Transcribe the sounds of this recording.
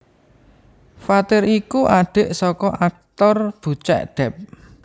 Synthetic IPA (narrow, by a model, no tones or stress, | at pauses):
fat̪ɪɾikuʔaɖ̥e̤ʔsɔkɔʔak̚t̪ɔrb̥ṳt͡ʃɛ̰ʔɖ̪̥ɛ̤p̚